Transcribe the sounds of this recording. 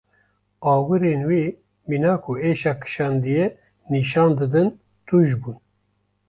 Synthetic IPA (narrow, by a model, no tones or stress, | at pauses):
ɑːwɨɾeːnwiː | miːnɑːkʰueːʃɑːkʰɨ̥ʃɑːnd̪ijɛ | niʃɑːnd̪ɨd̪ɨn | t̪uːʒbuːn